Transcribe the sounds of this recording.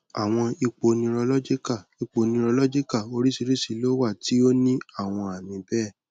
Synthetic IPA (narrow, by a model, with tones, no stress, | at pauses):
a˨w̃ɔ̃˧i˧k͡po˨˧nĩ˧ɾɔ˧lɔ˦d͡ʒi˦ka˦˨i˧k͡po˨˦nĩ˧ɾɔ˧lɔ˦d͡ʒi˦ka˦˨o˧ɾi˦si˧ɾi˦si˨˧lo˦wa˦˨ti˨˦o˦nĩ˦a˦˨w̃ɔ̃˧a˨mĩ˨˧bɛː˦˨